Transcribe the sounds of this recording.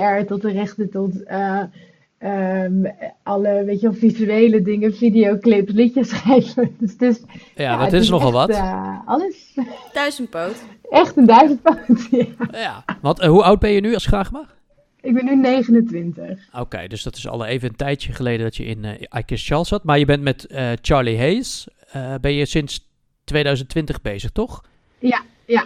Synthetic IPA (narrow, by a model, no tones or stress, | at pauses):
ɛɹtɔtərɛχtətɔtə | əmʔɑləʋejtəʋɛlˠfizyejlədɪŋəfidijowklɪpslɪxjəsχejlədəsətɪsjaadɪtɪsnɔχɑlˠʋɑtɑləs | d̥œzəntpoːt | ʔɛχtəndœɥzənt̚powtjajaʋɑntɦuawt̚bɛnjənyɑlˠskraχma | ɪɡ̚bɛnynejχənəntʋɪntəχowkḛjdøsd̥ɔtɪ̥sɑ̰lˠejvəəntɛjjəχəlejdəndɑtjəɪ̰najkəst͡ʃɑlˠsɑtmaɹjəbɛntmɛtət͡ʃaɹliɦejs | əbɛnjəsɪns | tʋejdœɥzəntʋɪntəχbejzəχtɔχ | ja | ja